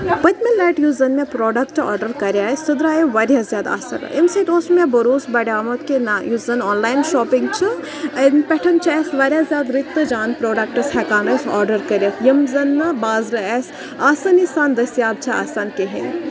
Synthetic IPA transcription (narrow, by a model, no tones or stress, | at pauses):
pɐt̪ʲmelɛːʈjuːzɐnmẽpɾoːɖɐk̚ʈɔ̰ːɾɖɐɾkɐɾʲjaːsɨd̪ɾaːjiʋɐɾjazjaːd̪a̰ːsɐ̰ɾɐ̰ʔimsɐt̪oːsmẽbɐɾoːsbɐɽjaːmɐt̪̚kenajuzɐnɔːnlaːjnʃoːpiŋɡ̚t͡ʃʰɨ | ɐnpʲɛʈʰɐnt͡ʃʰɐɛsʋɐɾʲjazjaːd̪ɾit̪ːɨd͡ʒaːnpɾoːɖɐk̚ʈɐshɛkaːnɐsɔːɾɖɐɾkɐɾʲɐkjɐmzɐnːɐbaːzɾɐɛs | aːsɐnisaːnd̪ɐsijaːb̚t͡ʃʰɐa̰ːsaːnkeɦin